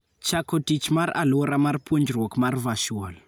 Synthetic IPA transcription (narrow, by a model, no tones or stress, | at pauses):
t͡ʃakotit͡ʃimaɾa̰loɾamaɾpund͡ʒirokmaɾivaʃiwɔl